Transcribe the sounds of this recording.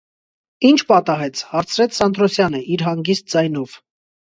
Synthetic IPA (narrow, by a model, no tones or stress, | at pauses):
int͡ʃʰpɑt̪ɑɦɛt͡sʰhɑɾt͡sʰɾɛt͡sʰsɑnd̪ɾɔsjɑnəʔiɾɦɑŋɡist̪̚d͡zɑjnɔv̥